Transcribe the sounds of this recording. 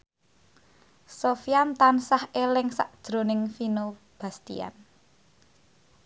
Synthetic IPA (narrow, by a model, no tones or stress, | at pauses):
sofiamt̪ansahelɪŋsa̰ʔd̥ʒ̥ɾo̤nɪŋfino | b̥a̤st̪ḭja̰n